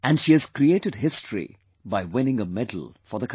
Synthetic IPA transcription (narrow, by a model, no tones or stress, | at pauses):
æ̃nɖʃiːɨz̥kɾieːʈɨd̚ɦɪstʰɹḭ | baɪwɪ̃nɪ̃ŋəmɛdl̩fə˞ðəkʰ